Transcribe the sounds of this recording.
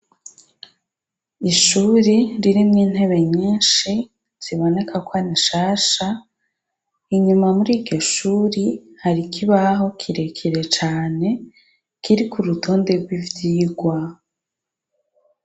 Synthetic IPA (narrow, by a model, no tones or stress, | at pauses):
iʃuɾiɾiɾimŋiːn̥he̞βe̞ɲiːnʃi | z̥iβo̞ne̞kʰakwaniʃaːʃa | iɲumamuɾiːɟɟo̞ʃuːɾihaɾikʰiβaɦo̞kʰiɾe̞kʰiɾe̞t͡ʃaːne̞ | kʰiɾikuɾutʰoːnde̞ɾɡwivɟiːɡwa